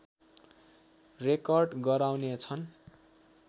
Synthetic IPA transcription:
rekʌrɖɡʌɾawnet͡sʰʌn

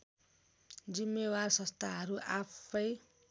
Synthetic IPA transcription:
d͡zimːewarsʌ̃st̪ʰaɦʌɾuʔapʰʌj

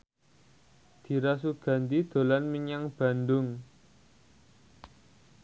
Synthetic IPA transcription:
d̪̥i̤ɾas̬uɡ̥a̤nt̪id̪̥o̤lanmiɲaŋb̥a̤ndʊŋ

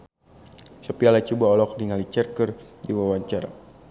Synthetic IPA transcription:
sɔpialat͡ʃubaɔlɔkliŋalit͡ʃɛrkərdiwawaɲt͡ʃaɾa̰

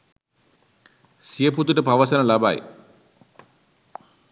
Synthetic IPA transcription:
sijeput̪uʈupɐʋɐsɐnɐlɐba̰j

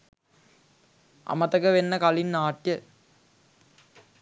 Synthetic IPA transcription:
ɐ̰mɐt̪ɐkəʋenːəkɐlinːaːʈjə

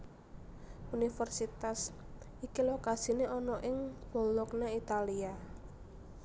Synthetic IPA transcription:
unifɛrsit̪as | ikilokasineʔɔnɔʔɪŋb̥o̤lɔknait̪alia

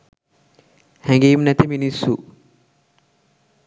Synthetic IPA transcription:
hɛŋɡeːmnɛt̪iminisːu

